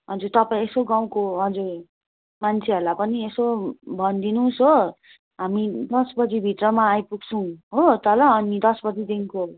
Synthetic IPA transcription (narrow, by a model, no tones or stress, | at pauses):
ɦʌd͡zuɾt̪ʌpaĩesoɡaw̃koɦʌd͡zur | mant͡sʰeʌɾlapʌniesobʱʌnd̪inũsɦo | ɦamid̪ʌsbʌd͡zibʱit̪rʌmaːjpuksʰuw̃ɦot̪ʌlaʌnid̪ʌsbʌd͡zid̪iŋko